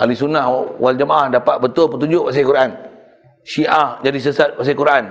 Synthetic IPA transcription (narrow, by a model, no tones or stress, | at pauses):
ʔalisunahwald͡ʒəmaʔahdapat̪̚bət̪ʊlpət̪uɲd͡ʒʊʔwas̬akuɾan | ʃiʔahd͡ʒadis̬əsat̪̚was̬akuɾʔan